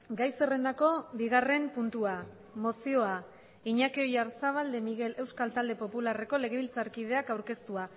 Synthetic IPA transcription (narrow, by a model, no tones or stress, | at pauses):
ɡajse̞re̞nd̪ako̞biɣare̞mpunt̪ua | mo̞sio̞a | iɲakio̞jaɾsaβ̞ald̪e̞miɣe̞le̞wskalt̪ald̪e̞po̞pulare̞ko̞le̞ɣ̞e̞βilt͡saɾkið̞e̞akawɾke̞st̪ua